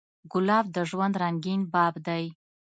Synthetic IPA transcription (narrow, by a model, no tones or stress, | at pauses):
ɡʊlɑbd̪əʒwand̪ɾaŋɡinbɑbd̪aj